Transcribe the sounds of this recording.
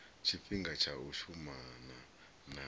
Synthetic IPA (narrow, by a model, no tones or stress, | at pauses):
t͡ʃʰifiŋɡat͡ʃʰauʃumana | na